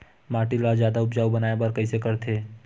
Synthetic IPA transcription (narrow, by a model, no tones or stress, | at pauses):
maːʈilad͡ʒjaːd̪aʊbd͡ʒaːubɐnaːebaɾkɐisekɐɾt̪ʰeː